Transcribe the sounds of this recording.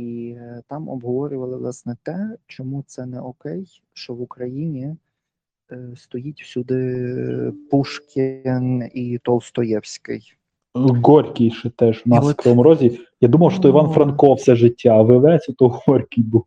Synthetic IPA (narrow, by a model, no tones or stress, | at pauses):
it̪ɑmɔ̰bɦɔʋɔɾʲʊʋɐlˠɪʋlˠɑsnɛt̪ɛt͡ʃɔmut̪sɛnɛɔkɛj | ʃt͡ʃɔʋʊkɾɐjinʲi | st̪ɔjitʲwsʲud̪ɪ | puʃkʲɪnit̪ɔlˠst̪ɔjɛwsʲkɪ̰j | ɡɔɾʲkʲijʃɛt̪ɛʒʊnɑskɾɔɔmɔɾɔzʲijad̪umɐwʃt̪ɔiʋɑnfɾɐnkɔwsɛʒɪtʲːaʋɪʋɛsʲɔt̪ɔɦɔɾʲkʲijb̪u